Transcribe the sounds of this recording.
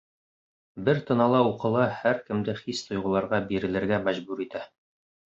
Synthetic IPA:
bɘɾt̪ɤ̆nɑlˠɑuqɤ̆lˠɑhæɾkɘ̆md̪ɘχist̪ʰŏjʁɤ̆lˠɑɾʁɑbiɾɘ̆lɘ̆ɾɡæmæʒbʉɾit̪æ

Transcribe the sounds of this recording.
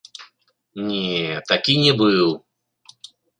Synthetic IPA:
nʲet̪ɐkʲinʲɪbɨlˠ

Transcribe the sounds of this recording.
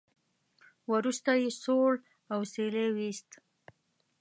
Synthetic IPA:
wəɾust̪ajesoɽ | awselewist̪

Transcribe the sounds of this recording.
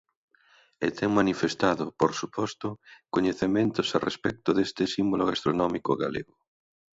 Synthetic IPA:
et̪ʰɛŋmanifest̪aðʊpoɾsupɔst̪ʊkoɲeθemẽnt̪ʊsarḛspɛk̚t̪ʊðest̪ɪsimboloɣast̪ɾonɔmikʊɣa̰lḛɣʊ

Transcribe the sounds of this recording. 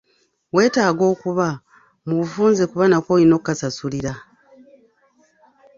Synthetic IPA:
we̞ːtaːɡo̞ːkuβa | muβufuːnze̞kuβanakoino̞kkːasasuliɾa

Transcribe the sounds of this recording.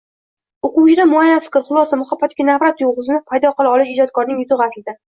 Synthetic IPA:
oquwt͡ʃɪɾamʊajːanfɪ̥kʲɾχʊlˠɒsamʊχabːat̪ɪkʲanavɾat̪joʁɨzɪnɪpʰajd̪ɒqɨlˠaɒlˠɪʃɪd͡ʒɒt̪̚kʰɒɾnɪŋjʊt̪ʊʁasɪlɪd̪a

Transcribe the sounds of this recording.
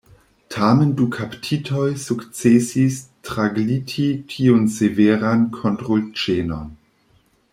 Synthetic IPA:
tʰamendukʰaptʰitʰojsukt͡sesistʁaɡlitʰitʰiunseveɾankʰontʁult͡ʃeno̰n

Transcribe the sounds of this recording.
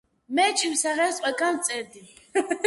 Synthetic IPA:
mɛt͡ʃʰimsaʁɛsqʼɛkʼant͡sʼɛɾd̪i

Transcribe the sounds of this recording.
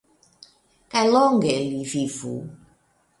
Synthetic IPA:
kalɔŋ̩ɡɛlififṵ

